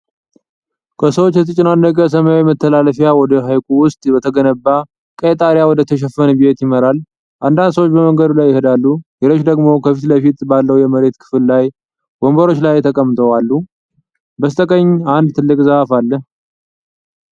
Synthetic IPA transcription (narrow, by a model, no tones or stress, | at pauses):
kʰəsəwot͡ʃːjɛt̪ʼɨt͡ʃʼːɪnanːəkʼəs̬əmajawjmət̪ʰːəlaləfjawɔd̪əɦajkʷʼuwʊst̪ʼbət̪ʰəɡənəbːa | kʼəet̪ʼaɾjawɔd̪ət̪ʰəʃ̬ɛfənbijet̪jɪməɾal | ʔand̪and̪səwot͡ʃːbəməŋɡəd̪ulajːɪhɨd̪alːuleɾo̞t͡ʃːd̪əɡmo̞kʰəfit̪ləfit̪ʼbalːəwjɛməɾe̞t̪kʰɨ̥fɨlːaj | ɡ̥o̞mbəɾo̞t͡ʃːlajt̪ʰəkʼəmːt̪ʼəwalːu | bəst̪ʼəkʼəɲːand̪t̪ʰɨlːɨkʼzəhafalːəh